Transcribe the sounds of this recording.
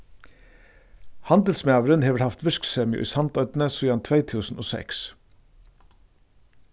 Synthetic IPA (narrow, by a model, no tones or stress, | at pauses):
hɑnd̪əl̩smæːʋəɾənheːʋæɾhɑft̪ʋɪʃksɛːmɪʊ̰ʔḭːsɑnt̪œʏt̪n̩əsʉːɑnt̪ʰʋeɪt̪ʰʉːsn̩ʔo̰ːsɛ̰ks